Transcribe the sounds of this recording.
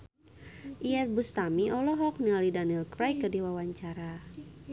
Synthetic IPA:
ʔiɛt̪̚bust̪amiʔɔlɔɦɔk̚nialidanilkɾajkːədiwawaɲt͡ʃaɾa

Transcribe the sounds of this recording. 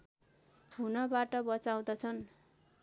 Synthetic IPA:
unʌbaʈʌbʌt͡saw̃d̪ʌt͡sʰʌn

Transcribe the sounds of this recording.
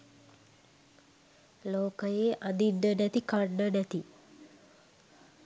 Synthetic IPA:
loːkəjeʔad̪inɖənæt̪ikaɳɖənæt̪i

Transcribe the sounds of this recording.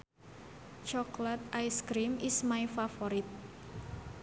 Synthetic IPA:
t͡ʃɔklat̪̚ʔajskɾimismajfafoɾit̪̚

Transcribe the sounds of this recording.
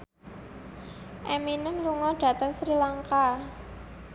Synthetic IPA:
ʔɛminəmluŋɔɖ̥ä̤t̪əŋsɾilaŋka

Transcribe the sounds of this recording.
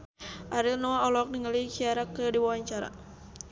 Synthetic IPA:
ʔaɾilnɔaɔlɔk̚niŋalikiaɾakədiwawaɲt͡ʃaɾa̰

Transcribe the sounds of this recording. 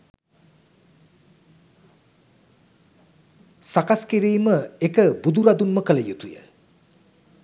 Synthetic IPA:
sakaskeɾejməekəbud̪uɾad̪unməkələjut̪ujə̰

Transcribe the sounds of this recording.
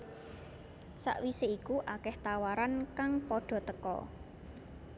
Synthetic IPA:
sa̰ʔwiseikuʔakɛht̪awaɾankaŋpɔɖ̥ɔ̤t̪əkɔ̰

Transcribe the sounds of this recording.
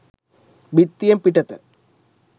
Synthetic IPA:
bit̪ːijɐmpiʈːɐt̪ːɨ̰

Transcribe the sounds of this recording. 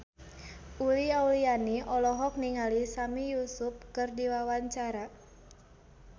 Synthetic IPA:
ʔuliaulianiɔlɔɦɔk̚niŋalisamijusʊp̚kɨrdiwawaɲt͡ʃaɾa

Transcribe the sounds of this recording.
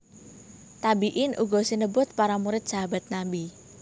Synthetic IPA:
t̪abiʔɪnʔṵɡɔsinəbʊt̪̚paɾamuɾɪt̪̚saɦaba̤t̪̚nabi

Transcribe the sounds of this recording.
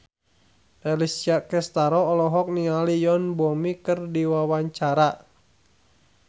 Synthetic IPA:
ʔɛlisiakɛst̪aɾɔːlɔɦɔk̚nialijɔnbɔmikɨrdiwawaɲt͡ʃaɾa

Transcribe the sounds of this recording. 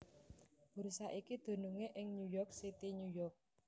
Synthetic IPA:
b̥uɾsaʔikid̪̥o̤nuŋeʔɪŋɲujɔrk̚sit̪iɲujɔrk̚

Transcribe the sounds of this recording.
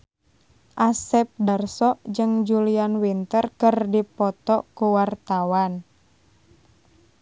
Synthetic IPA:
ʔasɛp̚darsɔd͡ʒɨŋd͡ʒulianwint̪ərkɨrdipɔt̪ɔkuwart̪awan

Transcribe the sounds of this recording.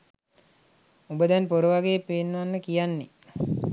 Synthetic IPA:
ubəd̪ɛnpoɾuʋaɡeːpeːnːʋanːəkijanːe

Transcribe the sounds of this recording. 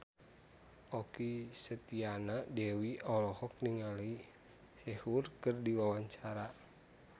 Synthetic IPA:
ʔɔkisət̪ianadɛwiɔlɔhɔk̚niŋali | sɛhurkɨrdiwawaɲt͡ʃaɾa

